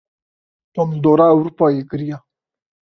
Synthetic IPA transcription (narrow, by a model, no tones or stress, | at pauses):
t̪omld̪oːɾawuɾpɑːjekɾija